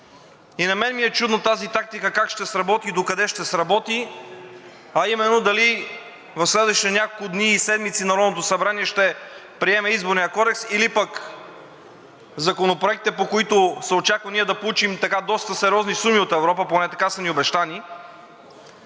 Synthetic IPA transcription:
inɐmɛnmiɛt͡ʃud̪not̪azit̪ak̚t̪ikəkakʃt̪ɛsɾɐbɔt̪id̪okɐd̪ɛʃt̪ɛsɾɐbɔt̪i | ɐimɛnːod̪ɐli | vɐfslɛd̪vəʃi̥t̪ɛnʲakolkʊd̪niːsɛd̪mit̪sinɐɾɔnot̪osɐbɾaniɛʃt̪ɛ | pɾiɛmɛizboɾnijəkɔd̪ɛksilipək | zɐkonopɾoɛk̚t̪ɛpokoit̪osɛot͡ʃakvəniɛd̪ɐpolˠut͡ʃimt̪ɐkad̪ɔst̪əsɛɾʲɔznisumiot̪ɛvɾɔpəponɛt̪ɐkasəniobɛʃt̪ani

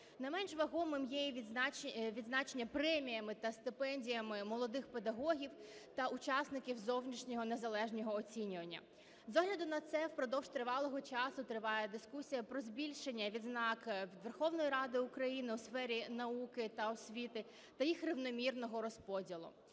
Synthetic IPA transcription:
nɐjmɛnʒʋɐɦɔmɪmjɛjʲ | ʋʲid̪znɑt͡ʃenʲːɐpɾɛmʲijɐmɪt̪ɐst̪ɪpɛnʲdʲijɐmɪmɔlˠɔd̪ɪxpe̞d̪ɐɦɔɦʲiwt̪ɐʔʊt͡ʃɑsnɪkʲiwzɔwnʲiʃnʲɔɦɔnezɐlˠɛʒnʲɔɦɔɔt͡sʲinʲʊʋɐnʲːɐ̰ | zɔɦlʲɐd̪ʊnɐt̪sɛwpɾɔd̪ɔwʒt̪ɾɪʋɑlˠɔɦɔt͡ʃɑsʊt̪ɾɪʋɑjɛd̪ɪskusʲijɐpɾɔzʲbʲilʲʃe̞nʲːɐʋʲid̪znɑkʋʲd̪ʋerxɔwnɔjiɾɑd̪ɪʊkɾɐjinɪwsfɛɾʲinɐukɪt̪ɐɔsʲʋʲit̪ɪ | t̪ɐjixrɪwnɔmʲirnɔɦɔɾɔspɔdʲilˠʊ̰

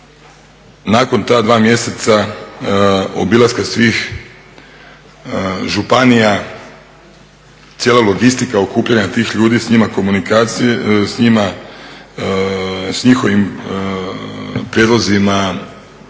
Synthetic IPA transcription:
naːko̞nt̪aːd̪ʋaːmjese̞t̪sa | o̰bilˠaskasʋiːx | ʒupanija | t̪sjeːlalˠoɡist̪ikaokuːpʎaɲat̪iːxʎuːd̪isɲimako̞munikasɲima | sɲixo̞ʋim | pɾjed̪lˠozima

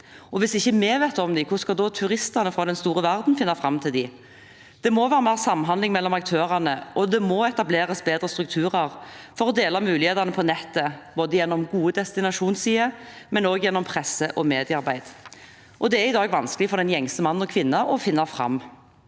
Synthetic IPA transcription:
ɔʋɪsɪçːəmɛʋeːt̪ɔmd̪ɪkʰʊʁskɑd̪ɔt̪ʰʉɾɪst̪ɑnəfɾɑːd̪ɛnst̪uːɾəʋæʁd̪n̩fɪnːɑfʁɑmt̪ʰɪld̪ɪ | d̪̥ɛmɔʋæːɾəmæʁsɑmːnɦɑnlɪŋmɛlːɔmɑk̚t̪ʰøːʁɑnəʔɔd̪ɛmɔɛt̪ɑbleːʁəsbeːd̪ɾəst̪ɾʉk̚t̪ʰʉːʁɑʁfɔɾɔd̪eːlɑmʉːlɪheːt̪ɑnəpʰɔnɛt̪ːəb̥oːd̪əjɛnːɔmɡuːəd̪ɛst̪ɪnɑʂuːnsiːəmɛnoːɡjɛnːɔmpʰʁɛsəʔɔmeːd̪ɪəɑɾbæɪd̪ | ʔɔd̪ɛæɾɪd̪ɑːɡʋɑnskəlɪfɔɾd̪ɛnjɛŋsəmɑnːnɔkʰʋɪnːɑʔɔfɪnːɑfɾɑ̰mː

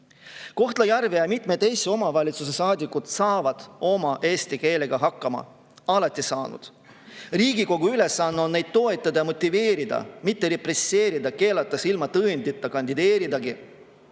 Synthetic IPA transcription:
ko̞ht̪lɑjærvejɑmit̪ˑme̞t̪ːejseo̞mɑvɑlʲit̪suse̞sɑːd̪ikːˑut̪sɑːvɑd̪̥o̞mɑʔe̞ːst̪ike̞ːle̞ɡ̥ɑɦɑkˑːɑmɑ̰ | ɑlɑt̪ʲːˑisɑːnṵd̪̥ | riːɡiko̞ɡ̥uyle̞sːɑnːo̞nne̞jd̪̥̚t̪o̞e̞t̪ˑːɑd̪ɑjɑmo̞t̪ʲːˑive̞ːɾid̪̥ɑ̰mit̪ːeɾepresːe̞ːɾid̪ɑke̞ːlɑt̪ːˑɑsilmɑt̪ɤnʲd̪it̪ˑːɑkɑnd̪id̪e̞ːɾid̪ɑɡi

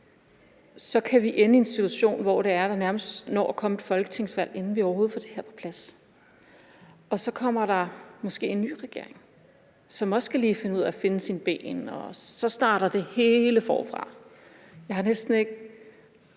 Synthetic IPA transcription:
sɒ̽kʰæʋiʔenəie̝nsit͡sʰuuɕo̝̰ːnʋɒɾ̥e̝æɐd̥ɑ̈næɐməsd̥nɒ̰ːkʰɒ̽me̝d̥fɒ̽lɡ̥ə̥t͡sʰe̝ŋ̰sʋæl̰e̝nn̩ʋiɒʊɐho̝ːð̞̩ˠfɒ̽d̥e̝heɐ̰pʰɒ̥̽pʰlæs | ɒ̽sɒ̽kʰɒ̽m̰ɐɾ̥ɑ̈mɒ̽sɡ̥e̝̰ːenːy̰ːʁɛɡ̥e̝̰ɐe̝ŋ | sɒ̽mɒ̽sɡ̥ʰæliːfe̝nəuð̞̰ˠæfe̝nəsinb̥ḛːnɒ̽sɒ̽sd̥ɑ̈ːɾ̥ɐd̥e̝he̝ːləfɒ̰ːfʁɑ̈ | jɑ̈ɪhɑ̈nesd̥n̩e̝ɡ̥̚

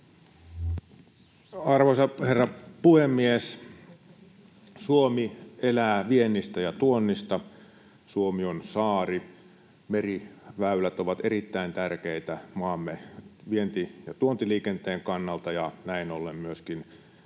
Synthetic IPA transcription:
ɑrʋosɑherːɑpuhemːies | suomielæːʋienːist̪æjɑt̪uonːist̪ɑ | suomionsɑːri | meriʋæylæt̪oʋɑt̪eɾit̪ːæint̪ærkeit̪æmɑːmːeʋient̪ijɑt̪uont̪iliːkent̪eːŋkɑnːɑlt̪ɑjɑnæinolːemmyøskin

